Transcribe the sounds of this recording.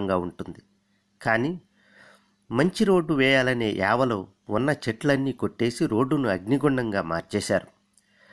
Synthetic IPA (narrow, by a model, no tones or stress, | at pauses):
ŋɡaːuɳʈund̪i | kaːniː | mɐɲt͡ʃiɾo̞ːɖːuʋɛːjaːlɐneːʔɛːʋɐloː | unːɐt͡ʃɛʈlɐnːiːko̞ʈːe̞ːsiɾo̞ːɖːunuɐɡniɡuɳɖɐŋɡaːmaːɾt͡ʃɛːʃaːɾu